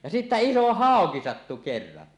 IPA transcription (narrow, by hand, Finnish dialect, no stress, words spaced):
jɑ sitːæ iso hɑˑoki sɑtːu kerːɑn